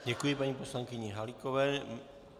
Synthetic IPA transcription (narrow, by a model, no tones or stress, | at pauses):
ɟɛkujɪpaɲiːpo̞slaŋkɪɲɛɦalikovɛː